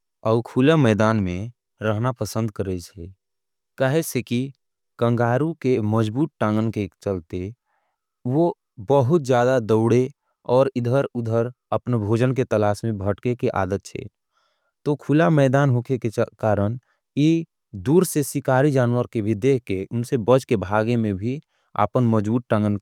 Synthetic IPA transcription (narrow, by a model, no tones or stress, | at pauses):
ɔːkʰulamɛːd̪aːnmẽ | ɾəɦnapəsə̃nd̪kəɾet͡ʃʰɛ | kaɦeseki | kə̃ŋɡaːɾũkeməd͡ʒbuːt̪̚ʈãːŋɡənket͡ʃəlt̪e | ʋo | bəɦʊt̪̚d͡ʒjaːd̪ad̪əʊɽe | ɔːɾɪd̪ʱəɾʊd̪ʱəɾ | əpnebʱoːd͡ʒənket̪əlaːsmẽbʱəʈkekiʔa̰ːd̪ət̪̚t͡ʃʰɛ̰ | t̪okʰʊlamɛːd̪aːnɦoːkʰekekaːɾən | i | d̪uːɾsesɪkaːɾid͡ʒaːnwəɾkebʱid̪eːkʰkeʊnsebəd͡ʒkebʱaːɡemẽbʱi | a̰ːpənməd͡ʒbuːt̪̚ʈãŋɡənk